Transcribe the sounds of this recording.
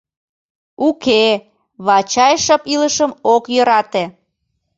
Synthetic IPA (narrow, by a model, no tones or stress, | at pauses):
uke | βɑt͡ɕɑjʃɤpiləʃəmokjøɾɑt̪e